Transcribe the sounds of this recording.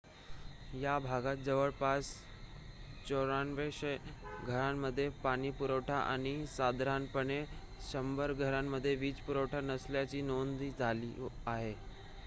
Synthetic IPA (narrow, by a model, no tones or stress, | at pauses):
jabʱaɡat̪̚d͡zəʋəɭpas | t͡ɕoɾanʋeɕɡʱəɾamːəd̪ʱːjepaɽ̃iːpuɾəʋʈʰaʔa̰ɽ̃isad̪ɾanpəɳe | ɕəmbəɾɡʱəɾamːəd̪ʱːjeʋiːt͡spuɾəʋʈʰanəsljat͡ɕiːnond̪iːd͡zʱalḭːaɦe